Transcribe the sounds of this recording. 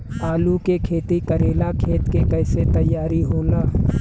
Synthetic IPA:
aːlukekʰeːt̪ikəɾeːlakʰeːt̪kekɛːset̪əjːaːɾiɦoːlaː

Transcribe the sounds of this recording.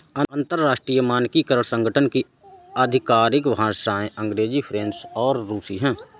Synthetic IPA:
ə̃ə̃nt̪əɾːaːʃʈɾijəmaːnkikəɾəɭsə̃ŋɡəʈʰənki | əd̪ʱɪkaːɾɪkʋɦãsaːẽʔə̃ŋɡɾeːd͡ʒipʰɾẽːnsɔːɾːuːsiɦɛ̃ː

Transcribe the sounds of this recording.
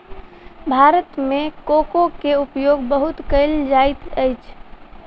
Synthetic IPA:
bʱaɾət̪mekokokeupjoɡbəɦut̪kəɪld͡ʒajt̪əjt͡ʃʰ

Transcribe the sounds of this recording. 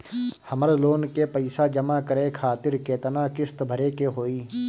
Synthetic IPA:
həməɾloːnkepəɪsad͡ʒəmaːkəɾekʰaːt̪ɪɾkeːt̪ənaːkɪst̪bʱəɾeːkeɦoːiː

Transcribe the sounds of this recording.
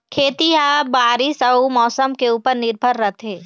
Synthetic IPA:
kʰeːt̪iɦaːbaːɾisɐumɔːsəmkeuːpəɾnɪɾbʱəɾːɐt̪ʰeː

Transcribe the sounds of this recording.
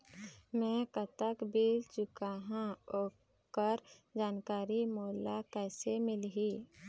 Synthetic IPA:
mɛ̃kət̪əkbiːlt͡ʃʊkaːɦãoː | kəɾd͡ʒaːnkaːɾimoːlakɛːsemɪlɦiː

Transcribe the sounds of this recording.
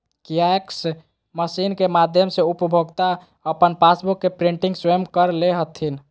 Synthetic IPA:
kijaeks | məsinkemad̪ʱjəmseupəbʱoɡt̪a | əpənpasbukːepɾiɳʈiŋɡswemkəɾleɦət̪ʰin

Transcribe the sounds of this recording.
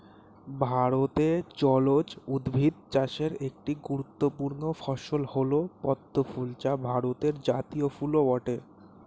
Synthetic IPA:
bʱaɾot̪et͡ɕɔlot͡ɕud̪bʱid̪̚t͡ɕaʃeɾek̚ʈiɡuɾut̪ːopuɾnofɔʃolholopɔd̪ʱːofult͡ɕabʱaɾot̪eɾd͡ʑat̪iofuloɔʈe

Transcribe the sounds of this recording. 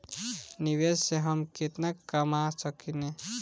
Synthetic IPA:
niwesseɦəmket̪nakːəmasəkʰine

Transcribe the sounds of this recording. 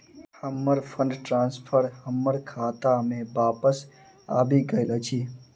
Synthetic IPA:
həmːəɾpʰə̃ɳɖʈɾãːnspʰəɾhəmːəɾkʰaːt̪amẽbaːpəs | a̰ːbʱiɡəɪlət͡ʃʰiː

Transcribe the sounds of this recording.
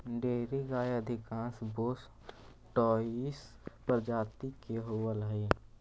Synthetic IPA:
ɖeːɾiɡaːjəd̪ʱɪkãːnsboːs | ʈɔːis | pəɾd͡ʒaːt̪ikeɦowəlɦe

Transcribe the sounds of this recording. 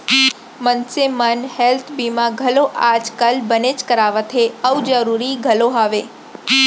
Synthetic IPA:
mənsemənhelt̪ʰbimãɡʱəloʔad͡ʒkəlbənet͡ʃkəɾaʋət̪ʰeəʋd͡ʒəɾuɾiɡʱəloɦaʋe

